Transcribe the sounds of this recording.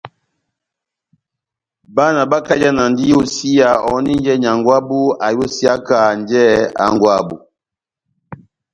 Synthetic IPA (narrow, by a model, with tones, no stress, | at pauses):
ba˦na˨ba˦ka˦d͡ʒa˦na˨ndi˦jo˦si˦ja˨ɔ˨˦ni˦n˦d͡ʒɛ˦ɲ˨a˨ŋɡwa˦bu˦a˨jo˦si˦a˦ka˨nd͡ʒɛ˦a̰˨ŋɡwa˦bṵ˨